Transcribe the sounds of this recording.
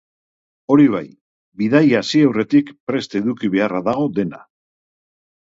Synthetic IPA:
o̞ɾiβ̞aj | biðajasiawre̞t̪ikpɾe̞st̪e̞ðukiβ̞e̞araðaɣo̞ðe̞na̰

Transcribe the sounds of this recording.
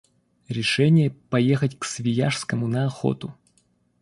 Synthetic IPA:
ɾʲɪʂɛnʲɪjəpɐjexətʲksvʲɪjaʂskəmʊnɐɐxo̰t̪ʊ

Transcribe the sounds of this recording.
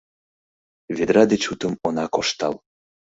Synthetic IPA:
ved̪ɾɑd̪et͡ɕut̪əmonɑkoʃt̪ɑ̰l

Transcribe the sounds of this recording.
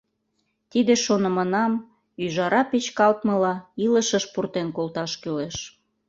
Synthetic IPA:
t̪id̪eʃonəmənɑm | yʒɑɾʔɑpet͡ɕkɑlt̪mə̆lɑiləʃəʃpurt̪enkolt̪ɑʃkyleʃ

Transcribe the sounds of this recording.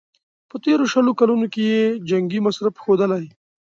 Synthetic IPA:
pət̪eɾoʃəlokalunokejed͡ʒaŋɡimasɾəfxod̪əlai

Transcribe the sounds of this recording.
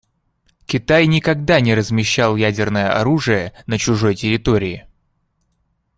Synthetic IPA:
kʲɪt̪ajnʲɪkɐɡd̪anʲɪɾəzmʲɪɕːalˠjædʲɪrnəjəʔɐɾuʐɨjənət͡ɕʊʐo̞jtʲɪɾʲɪt̪o̞ɾʲɪɪ

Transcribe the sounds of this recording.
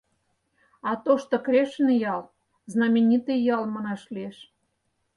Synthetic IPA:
ɑt̪oʃt̪okɾʲeʃnjɑl | znɑmʲenʲit̪ɨjjɑlmɑnɑʃlieʃ

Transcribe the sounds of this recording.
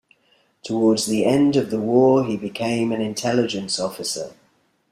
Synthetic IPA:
tʰəwɔːdzðiɛ̃ndəvðəwɔːibɪkʰẽɪ̃mə̃nɪ̃ntʰɛlɪd͡ʒə̃nsɒfɪsə̰

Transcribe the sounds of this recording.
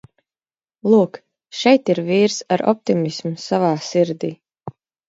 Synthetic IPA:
lˠuːk | ʃɛjt̪iɾviːɾsaɾɔ̰p̚t̪imismusavaːsiɾd̪iː

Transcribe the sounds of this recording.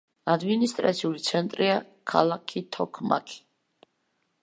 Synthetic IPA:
ad̪minist̪ʼɾa̰t̪sʰiulit̪sʰɛnt̪ʼɾia | kʰa̰lˠakʰit̪ʰɔkʰma̰kʰi̥

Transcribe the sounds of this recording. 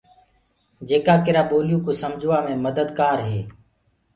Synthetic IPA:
d͡ʒeːkaːkɪɾaːɓoːlɪjũːkoːsəmd͡ʒʱʊːaːmẽːməd̪əd̪kaːɾɦeː

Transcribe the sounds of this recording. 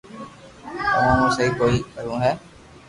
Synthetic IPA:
t̪əʋãːnũːsəɦiːkoːiːkəɾũːɦɛː

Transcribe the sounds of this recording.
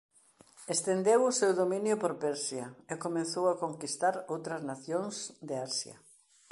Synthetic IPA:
est̪end̪ewʊsewðomĩnjʊpoɾpɛɾsjɐekomẽnθowakoŋkist̪aɾowt̪ɾɐznaθjoŋsd̪eaɾsjɐ̰

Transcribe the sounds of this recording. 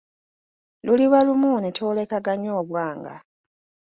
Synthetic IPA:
luliβalumuːnetʰoːle̞kaɡaɲoːβwaːŋɡa̰

